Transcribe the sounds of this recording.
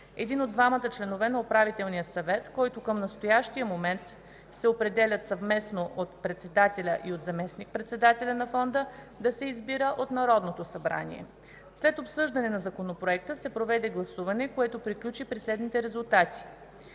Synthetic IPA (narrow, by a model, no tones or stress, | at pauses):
ɛd̪inod̪ːvamət̪ət͡ʃlɛnovɛnɐopɾavit̪ɛlˠnijəsɐvɛt̪kɔjt̪okəmnɐst̪ojaʃt̪ijəmomɛnt̪ | sɛopɾɛd̪ɛlʲət̪sɐvmɛsnoʔot̪pɾɛt̪sɛd̪at̪ɛlʲə̰ʔiot̪zɐmɛsnik̚pɾɛt̪sɛd̪at̪ɛlʲənɐfɔnd̪ə | d̪ɐsɛizbiɾəʔot̪nɐɾɔd̪not̪osɐbɾa̰nḭɛ̰ | slɛt̪opsɤʒd̪ɐnɛnɐzɐkonopɾoɛk̚t̪əsɛpɾovɛd̪ɛɡlˠɐsuvɐnɛkoɛt̪opɾiklʲut͡ʃipɾislɛd̪nit̪ɛɾɛzulˠt̪at̪i̥